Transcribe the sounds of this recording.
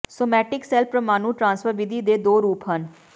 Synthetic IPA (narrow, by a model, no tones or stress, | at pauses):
soːmɛːʈɪksɛlpɾəmaːnũːʈɾãːnsfəɾʋɪd̪iːd̪eːd̪oːɾuːpɦən